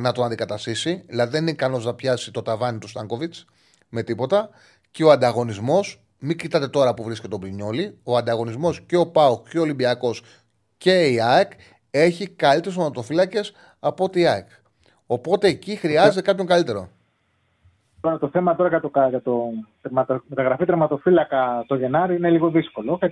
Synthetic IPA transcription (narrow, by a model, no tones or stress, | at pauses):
nɐt̪o̞nɐnd̪ikɐt̪ɐst̪isiilɐðiðe̞nineikɐno̞znɐpçɐsit̪o̞t̪ɐvɐnit̪ust̪ɐŋɡo̞vit͡s | me̞t̪ipo̞t̪ɐ | ceo̞ɐnd̪ɐɣo̞nizmo̞s | micit̪ɐt̪e̞t̪o̞ɾɐpuvɾiske̞t̪eo̞bɾiɲo̞lio̞ɐnd̪ɐɣo̞nizmo̞sceo̞pɐukcoolimbiɐko̞s | ce̞iɐek | e̞çikɐlit̪eost̪ɾmɐt̪o̞filɐce̞s | ɐpo̞t̪iɐek | o̞po̞t̪e̞ːcixɾiɐzet̪e̞kɐpço̞ŋɡɐlit̪e̞ɾo̞̰ | t̪oɾɐt̪o̞θe̞mɐt̪o̞ɾɐʝɐt̪okɐʝɐt̪ot̪mɐt̪ɐt̪ɐɣɾɐfit̪ɾemɐt̪o̞filɐkɐt̪oʝe̞nɐɾiine̞liɣo̞ðiskolokɐ